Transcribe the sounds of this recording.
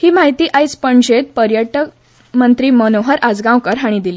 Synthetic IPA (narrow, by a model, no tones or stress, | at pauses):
hiːmaɦit̪iːʔajspəɳd͡ʑet̪̚pəɾjəʈək | mənt̪ɾiːmənoɦəɾʔad͡zɡãwkəɾɦaɽ̃ĩd̪iliː